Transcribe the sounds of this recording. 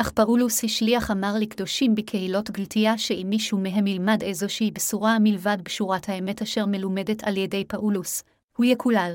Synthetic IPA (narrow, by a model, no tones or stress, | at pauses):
ʔaχpaʔulushiʃliaχamaʁlikdo̞ʃimbekʰe̞hilo̞tɡiltʰijaʃeimːiʃumeɦe̞mːilmadejzo̞ʃeibesuʁamilvadbeʃuʁathaeme̞taʃe̞ʁmelume̞detʰaljede̞jpaʔulus | hujekʰulal